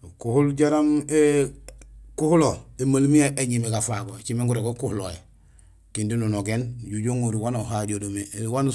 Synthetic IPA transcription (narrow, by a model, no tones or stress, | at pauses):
kuhulɟaɾame | kuhuloemalmiaʔeɲimeɡafaɡot͡ʃimeŋɡuɾeɡokuhuloe | kindinunoɡeːnɟuɟoŋoɾiwanoɦadodomewan